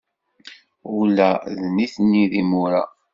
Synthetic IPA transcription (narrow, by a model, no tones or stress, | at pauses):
ʊlæðniθnːiðimʊɾa̰